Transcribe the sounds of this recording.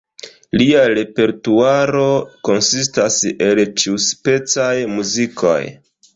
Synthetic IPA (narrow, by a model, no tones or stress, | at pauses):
liaɾe̞pe̞ɾtuaɾo̞ko̞nsis̬tase̞lt͡ʃiuspe̞t͡sajmuzikʰo̞̰j